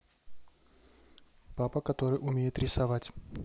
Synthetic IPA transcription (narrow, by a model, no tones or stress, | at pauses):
papəkɐt̪o̞ɾɨjʔʊmʲejɪt̪ɾʲɪsɐvatʲ